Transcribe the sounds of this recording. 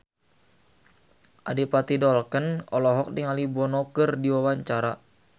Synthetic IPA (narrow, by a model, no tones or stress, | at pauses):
ʔadipat̪idɔlkənɔlɔɦɔk̚diŋalibɔnɔkərdiwawaɲt͡ʃaɾa